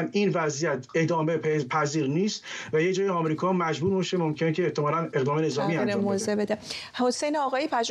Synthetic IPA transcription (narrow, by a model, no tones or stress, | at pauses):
niːnvæzijæt̪ʰe̞d̪ɒːmbeppʰæziːɾniːst̪væjed͡ʒɒːjeɒːmɾiːkʰɒːmæd͡ʒbuːɾbeʃemomcʰenecʰeːht̪ʰːemɒːɾæne̞ɣd̪ɒːmene̞zɒːmiːæɾmmozebed̪ehosejneɒːɣɒːjipʰæd͡ʒ